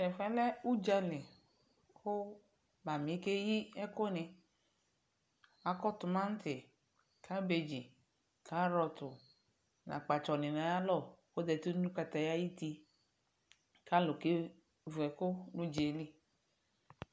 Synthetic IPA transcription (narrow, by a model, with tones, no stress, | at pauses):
ɛ˨fɛ˦lɛ˦u˦d͡ʒa˧li˨ | kʰʊ˦ | ba˨mi˨˦ke˦ji˦ɛ˦kʊ˦nɪ˧ | a˨kɔ˦tʊ˨ma˦n̩˦tɪ˨ | kʰa˦be˧d͡ʒi˨ | kʰa˦ɾɔ˧tʊ˨ | na̰˨k͡pa˨t͡ʃɔ˨nɪ˨na˨˦ja˦lɔ˦˨ko˦d̪ɛ˨tu˦ũ˦ka˧t̪a˨ja˦ji˦ti˧ | ka˦lʊ˨ke˦ | vu˨ɛ˨kʊ˦nu˦d͡ʒe˨li˦